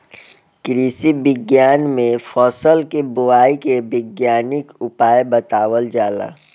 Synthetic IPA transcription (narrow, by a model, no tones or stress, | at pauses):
kɾiːsibɪɡjaːnmẽfʰɔːsəlkebʊwaːikebɪɡjaːnɪkʊpaːjbət̪aːwəld͡ʒaːla̰ː